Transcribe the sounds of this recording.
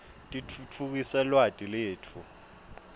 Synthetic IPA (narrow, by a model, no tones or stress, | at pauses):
tʼit͡fʰuk̬isɛlwatʼileːt͡fʰu